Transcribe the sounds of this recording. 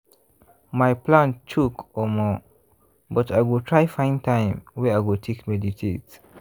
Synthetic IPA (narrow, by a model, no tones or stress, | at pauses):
majplãnt͡ʃʰukɔmɔ | bʌtajwɪltʰɹajfãɪ̃ntʰãj̃mwɛajwɪltʰekmɛditʰet